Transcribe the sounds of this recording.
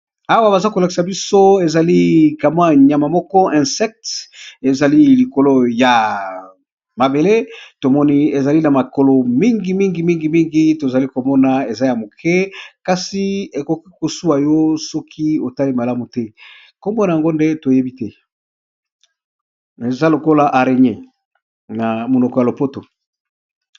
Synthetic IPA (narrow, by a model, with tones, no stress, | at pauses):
a˦wa˦ba˨za˦ko˨la˨ki˨sa˨bi˦so˦e˨za˨li˦ka˨ma˦˨ɲ˨ja˨ma˨mɔ˦kɔ˦ʔɛ̃˨sɛ˦k̚te˨za˨li˦li˨ko˨lo˦ja˨ | ma˨be˨le˦to˨mɔ˦ni˦e˨za˨li˦na˨ma˨ko˨lo˨mi˦ŋɡi˨mi˦ŋɡi˨mi˦ŋɡi˨mi˦ŋɡi˦to˨za˨li˦ko˨mɔ˦na˨e˨za˦ja˨mo˨kʰɛ˦ka˨si˨e˨ko˨ki˦ko˨su˦a˨jo˦sɔ˦kʰi˦o˨ta˦li˦ma˨la˦mu˨tɛ˦ | ko˦mɔ˦na˨ŋɡo˦nde˦to˨je˦bi˦tɛ˦ | e˨za˦lo˨ko˦la˨ʔa˨ʁe˨ɲe˦˨ | na˨mo˨nɔ˨kɔ˨ja˨lo˨po˦to˨